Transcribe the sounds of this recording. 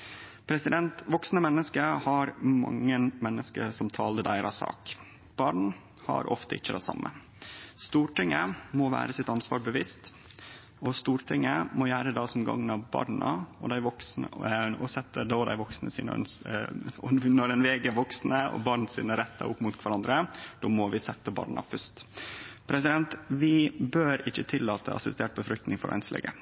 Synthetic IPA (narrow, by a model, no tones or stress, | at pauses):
pʰɾɛsɪd̪ɛnt̪ʋɔksnəmɛnːəskəhɑɾmɑ̰ŋːənmɛnːəskəsɔmt̪ʰɑːləd̪æɪɾɑsɑ̰ːk | b̥ɑɳ̩ | hɑ̰ɾʔɔ̰ft̪əɪt͡ʃːəd̪ɛsɑ̰mːə̰ | st̪uːʈɪŋːəmoːʋæ̰ːɾəsɪt̪ɑnsʋɑ̰ːɾbəʋɪst̪ | ɔst̪uːɾʈʰɪŋːəmɔjæːɾəd̪ɑːsɔmɡɑ̰ŋːnɑʋbɑ̰ɾɳə̰ɔ̰d̪æɪʋɔksnəɔsɛt̪ːəd̪od̪æ̰ɪʋɔksnəsḭːn̰n | ɔnɔɾɛnʋɛːɡəʋɔksnəɔ̰bɑɾɳsḭːnəæɾɛt̪ʰːə̰ʔʊpːmʊːt̪kʰʋæɾɑnd̪ɾəd̪̥oːmɔʋɪsɛt̪ːəbɑ̰ːɾɳɑ̰fʉst̪pʰɾɛs̬ɪd̪ɛnt̪ʋɪbøːɾɪçːət̪ʰɪlːɑːt̪ʰə̰ʔɑ̰sɪst̪eːʈ̚bəfɾʏk̚t̪nɪŋfɔɾʔæ̰ɪnslɛ̰ɡə